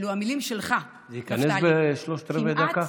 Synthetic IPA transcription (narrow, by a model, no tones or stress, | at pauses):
luamilimʃelχa | zeikanesbeʃloʃt̪ɾeved̪aka